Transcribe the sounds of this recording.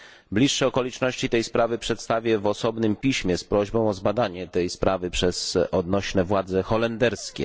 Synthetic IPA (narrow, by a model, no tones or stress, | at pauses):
blʲiʂːɛɔkɔlʲit͡ʂnɔɕt͡ɕit̪ɛjspɾavɘpʂɛt̪st̪avʲjɛvɔsɔbnɘmpʲiɕmʲjɛspɾɔʑbɔ̃w̃ɔzbad̪aɲɛt̪ɛjspɾʔavɘpʂɛz̥ɔd̪nɔɕnɛvwad̪zɛxɔlɛnd̪ɛɾskʲɛ̰